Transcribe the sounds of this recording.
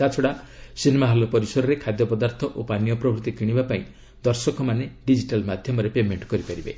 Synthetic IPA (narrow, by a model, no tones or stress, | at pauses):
at͡ʃʰɔɽasinemaɦalɔpɔɾisɔɾɔɾekʰad̪jɔpɔd̪aɾt̪ʰɔʔopanjɔpɾɔbʱɾut̪ikiɽ̃ibapaĩ | d̪ɔɾsɔkɔmaneɖid͡ʒiʈalmad̪ʱjɔmɔɾepemeɳʈkɔɾipaɾibe